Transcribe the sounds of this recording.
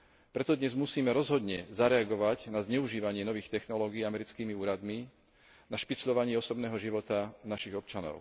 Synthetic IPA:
pɾɛt̪ɔd̪ɲɛzmusiːmɛɾɔzɦɔd̪ɲɛzaɾɛaɡɔʋaɟnazɲɛuʒiːʋaɲɪɛnɔʋiːxt̪ɛxnɔlɔːɡiːamɛɾit͡skiːmiuːɾad̪mi | naʃpit͡sʎɔʋaɲɪɛɔsɔbnɛːɦɔʒiʋɔt̪anaʃiɣɔp̚t͡ʃanɔ̰ʊ

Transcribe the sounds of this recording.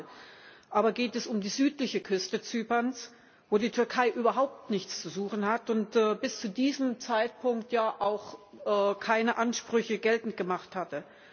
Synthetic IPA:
ʔaːbɐɡeːtɛsʊmdiːzyːtlɪçəkʰʏstət͡syːpɐns | voːdiːtʰʏɐkʰaɪʔyːbɐɦaʊp̚tnɪçt͡st͡suzuːxn̩hatʊntɛːbɪst͡sudiːzəmt͡saɪt̚pʰʊŋk̚tjaːʔaʊxʔɛːkʰaɪnəʔanʃpʁ̥ʏçəɡɛltn̩t̚ɡ̥əmaχthatə

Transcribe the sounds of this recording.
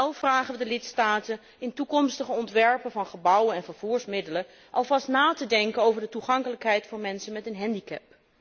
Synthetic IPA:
ɛlˠvraːχəʋədəlɪtstaːtən | ɪntukɔmstəχəɔntʋɛɹpəvɑnχəbʌwənɛnvəɹv̥uːɹsmɪdələ | ʔɑlˠvɑstnaːtədɛŋkənowvəɹdətuχɑŋkələkɦɛjtfɑnmɛnsənmɛtənɦɛndikɛ̰p̚

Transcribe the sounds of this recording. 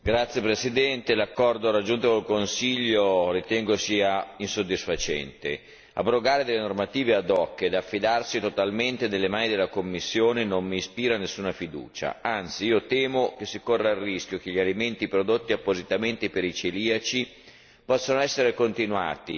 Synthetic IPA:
ɡɾat̪sːjepɾesid̪ɛnt̪elakːɔrd̪orad͡ʒːunt̪okolkonsiʎːorit̪ɛŋɡosiːainsod̪ːisfat͡ʃɛ̰nt̪e | a̰bɾoɡaːɾed̪elːenormat̪iːvead̪ɔkːed̪afːid̪arsit̪ot̪alment̪enelːemaːnid̪elːakomːisːjoːnenommiːspiːɾanesːuːnafid̪ṵːt͡ʃa̰ant̪siiːot̪ɛːmok̟esːikorːarːisk̟jok̟eʎːialiment̪ipɾod̪ot̪ːiapːozit̪ament̪epeɾit͡ʃeliːat͡ʃi | pɔsːanoɛsːeɾekont̪inua̰ːt̪i

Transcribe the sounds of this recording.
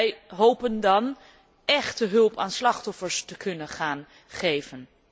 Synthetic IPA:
jɦowpəndɑn | ɛχtəɦɵlˠpaːnslɑχtɔfəɹstəkʰɵnəχaːn | χejvən

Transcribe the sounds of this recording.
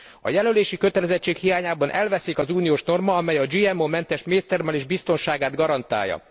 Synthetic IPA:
ɒ̰jɛløleːʃikøt̪ɛlɛzɛct͡ʃːeːkhijaːɲaːbɒnʔɛlvɛsikɒzuːnijoːʃno̞rmɒɒmɛjɒd͡ʒiːɛmomɛnt̪ɛʃmeːst̪ɛrmɛleʒbist̪o̞nʃaːɡaːd̪ɡɒɾɒnt̪a̰ːjːɒ̰

